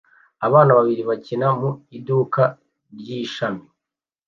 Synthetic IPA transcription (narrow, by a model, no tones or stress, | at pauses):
aβaːnaβaβiɾiβacinamuiduːka | ɾɟiːʃami